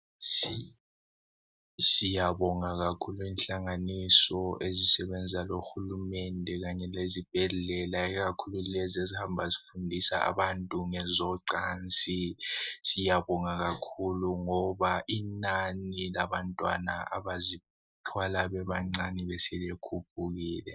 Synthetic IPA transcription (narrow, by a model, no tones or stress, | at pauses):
s | sijaβɔŋaɣakʰuluinɬaŋanisɔʔezisɛβɛnd͡zʱaloxulumɛndʱɛɣaɲɛlezib̥ʱɛɮɛlaiɣakʰululɛzezihambʱazifundʱisa̰a̰βantʼuŋɛzɔǀaːnt͡sʼisijaβɔŋaɣakʰuluŋɔβaʔinanilaβantʼwa̰na̰a̰βazi | tʰwalaβɛβaŋ͡ǀaniβɛsɛliekʰup̚ʰuɣiːlɛ